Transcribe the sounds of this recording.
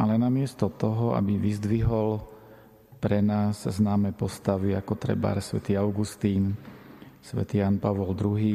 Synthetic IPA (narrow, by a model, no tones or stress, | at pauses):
ʔalɛnamɪɛst̪ɔt̪ɔɦɔa̰biʋizd̪ʋiɦɔl | pɾɛnaːzznaːmɛpɔst̪aʋiakɔt̪ɾɛ̰ba̰ːɾsʋɛ̰t̪iːaʊɡust̪iːn | sʋɛ̰t̪iːjaːnpaʋɔld̪ɾuɦiː